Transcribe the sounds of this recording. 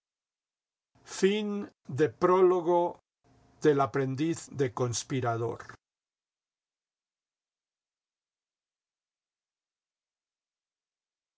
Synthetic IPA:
fin | d̪epɾoloɣo | ðelapɾend̪iθd̪ekonspiɾaðo̰ɾ

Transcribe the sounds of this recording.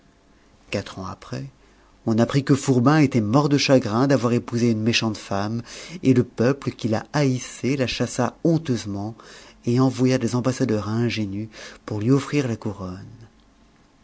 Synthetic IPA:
kat̪χɑ̃apχɛ | ɔ̃napχikəfuʁbɛ̃et̪ɛmɔʁd̪əʃaɡʁɛ̃d̪avwaʁepuzeynmeʃɑ̃t̪fameləpœpləkʲila̰aiselaʃasaɔ̃t̪øzmɑ̃eɑ̃vwajad̪ezɑ̃basad̪œʁɛ̃ʒenypuʁlɥiɔfχiʁlakuʁɔn

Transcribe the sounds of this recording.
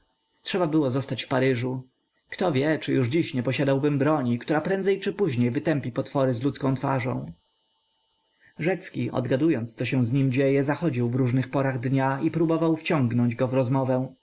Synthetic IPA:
tʂɛbabɘwɔzɔst̪at͡ɕfpaɾɘʐu | kt̪ɔvʲjɛt͡ʂɘjuʐd͡ʑiɕɲɛpɔɕad̪awbɘmbɾɔɲikt̪uɾapɾɛnd̪zɛjt͡ʂɘpuʑɲejvɘt̪ɛmpʲipɔt̪fɔɾɘzlut̪skɔ̃w̃t̪fa̰ʐɔ̰̃w̃ | ʐɛt̪skʲiʔɔ̰d̪ɡad̪ujɔnt̪st̪sɔɕɛ̃w̃zɲimd͡ʑejɛzaxɔd͡ʑiwvɾuʐnɘxpɔɾaɣd̪ɲaipɾubɔvawft͡ɕɔ̃ŋɡnɔɲd͡ʑɡɔvɾɔzmɔvɛ̃w̃

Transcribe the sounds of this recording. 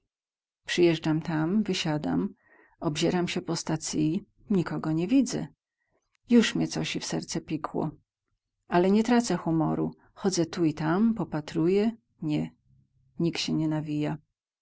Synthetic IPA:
pʂɘjɛʐd͡ʐamt̪amvɘɕad̪a̰m | ɔbʑɛɾamɕɛpɔst̪at̪sii | ɲikɔɡɔɲɛvʲid̪zɛ̰ | juʂmʲɛt̪sɔɕifsɛɾt̪sɛpʲikʰwɔ̰ | alɛɲɛt̪ɾat̪sɛxumɔ̰ɾṵ | xɔd̪zɛt̪uit̪ampɔpat̪ɾujɛ | ɲɛ | ɲiktɕɛɲɛnavʲija

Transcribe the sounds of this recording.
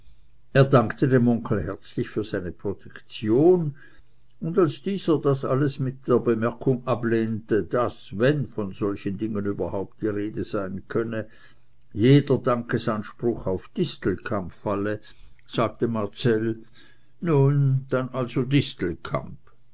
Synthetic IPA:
eːɐdaŋktədemʊŋkʰl̩hɛɐt͡slɪçfyːɐz̥aɪnəpʁ̥otʰɛkt͡sjoːn | ʊndalsd̥iːzəd̥asaləsmɪt̚d̥eːɐbəmɛɐkʰʊŋableːntəd̥asvɛnfɔnz̥ɔlçəndɪŋənyːbɐhaʊp̚t̚d̥iːʁeːdəz̥aɪnkʰœnə | jeːdɐdaŋkəsanʃpʁʊχaʊfd̥ɪstl̩kʰampfalə | z̥aːɡ̥̚təmaɐt͡sɛl | nuːnd̥anʔalzodɪstl̩kʰa̰mp

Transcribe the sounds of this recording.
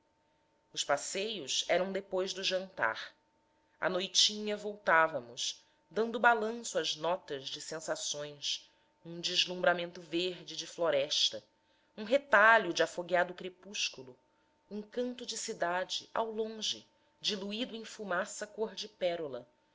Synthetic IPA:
ʊʃpasejʊsɛɾɐ̃w̃d̪epojzd̪ʊʒɐ̃nt̪a̰ɾ | ɐ̰nojt͡ʃĩɲɐvowt̪avɐmʊʃ | d̪ɐ̃nd̪ʊbalɐ̃sʊɐʒnɔt̪ɐzd͡ʒɪsẽsasõj̃s | ũd͡ʒɪzlũmbɾamẽnt̪ʊveɾd͡ʒɪd͡ʒɪfloɾɛʃt̪ɐ | ũɦet̪aʎʊd͡ʒɪafoɡiad̪ʊkɾepuʃkulʊ | ũŋkɐ̃nt̪ʊd͡ʒɪsid̪ad͡ʒɪʔa̰wlõʒɪ̰ | d͡ʒiluid̪ʊẽj̃fumasɐkoɾd͡ʒɪpɛɾulɐ

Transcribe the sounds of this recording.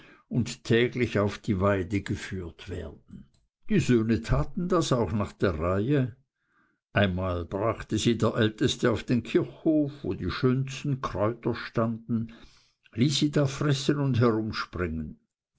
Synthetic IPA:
ʊnttʰɛːɡlɪçaʊfd̥iːvaɪdəɡəfyːɐtv̥ɛ̰ːɐd̥n̩ | d̥iːzøːnətʰaːtn̩dasaʊxnaːχd̥eːɐʁaɪə | ʔaɪnmaːlb̥ʁaχtəziːdeːɐʔɛltəstəaʊfd̥eːnkʰɪɐçhoːfvoːdiːʃøːnstn̩kʰʁ̥ɔʏtɐʃtandn̩ | liːsːiːdaːfʁɛsənʊndɦɛʁʊmʃpʁɪŋən

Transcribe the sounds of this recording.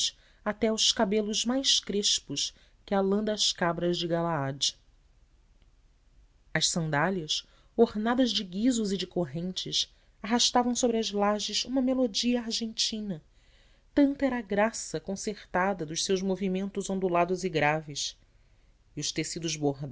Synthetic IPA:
ʃ | at̪ɛuʊʃkabelʊʒmajʃkɾeʃpʊʃ | kɪalɐ̃d̪ɐːʃkabɾɐzd͡ʒɪɡalaad͡ʒ | ɐʃsɐ̃nd̪aljɐs | oɾnad̪ɐzd͡ʒɪɡizʊzid͡ʒɪkoɦẽnt͡ʃɪs | aɦaʃt̪avɐ̃w̃sobɾɪɐzlaʒɪzṵ̃mɐmelod͡ʒiɐaɾʒẽnt͡ʃĩnɐ | t̪ɐ̃nt̪ɐɛɾɐaːɡɾasɐkõseχt̪ad̪ɐd̪ʊʃsewʒmovimẽnt̪ʊzõnd̪ulad̪ʊziɡɾavɪs | iʊʃt̪esid̪ʊzboɦd̪

